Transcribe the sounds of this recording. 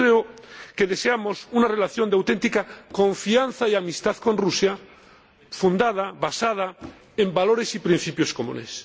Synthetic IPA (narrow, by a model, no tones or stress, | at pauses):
ɾeoke̞ðe̞se̞amo̞sunare̞laθjo̞nd̪awt̪e̞nt̪ikako̞ɱfianθaiamist̪aθko̞nrusja | fund̪aðaβasað̞a | e̞mbalo̞ɾe̞sipɾĩn̟θipjo̞sko̞mṵ̃ne̞̰s